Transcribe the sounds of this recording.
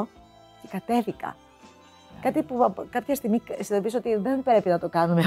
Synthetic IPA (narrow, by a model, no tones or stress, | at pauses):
ce̥kɐt̪e̞θikɐ̰ | kɐt̪ipukɐpçɐst̪iɣmisinðopiso̞t̪iðenbɾe̞pinɐt̪okɐnume